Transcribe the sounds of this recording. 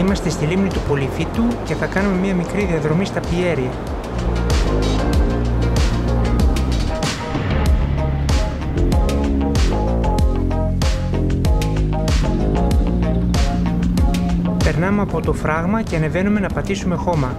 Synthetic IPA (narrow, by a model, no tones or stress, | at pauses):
imɐst̪est̪ilimnit̪upo̞lifit̪uce̞θɐkɐnume̞miɐmikɾiðiɐðɾo̞mist̪ɐpie̞ɾiɐ | pe̞ɾnɐmeɐpo̞t̪o̞fɾɐɣmɐceɐne̞ve̞nume̞nɐpɐt̪isume̞xo̞mɐ